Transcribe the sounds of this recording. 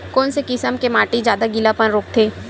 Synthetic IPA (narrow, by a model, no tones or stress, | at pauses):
kɔːnsekɪsəmkemaːʈid͡ʒjaːd̪aɡɪlapənɾoːk̚t̪ʰeː